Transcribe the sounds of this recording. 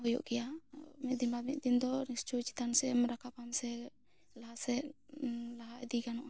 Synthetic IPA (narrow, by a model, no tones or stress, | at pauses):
hɔjɔ̰ʔkɛjamit̪̚d̪inbamit̪̚d̪ind̪ɔɾist͡ʃut͡ʃi̥t̪ansɛmɾakapamsɛ | laɦasɛ | laɦaʔɛd̪ikanɔʔa